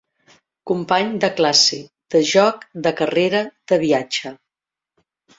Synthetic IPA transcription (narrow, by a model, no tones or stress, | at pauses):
kumpaɲd̪əklasi | d̪̥əʒɔkd̪əkəreɾəd̪̥əβiad͡ʒə